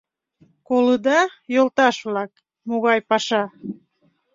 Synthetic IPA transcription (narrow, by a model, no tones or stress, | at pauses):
koləd̪ɑjolt̪ɑʃβlɑk | moɣɑjpɑʃɑ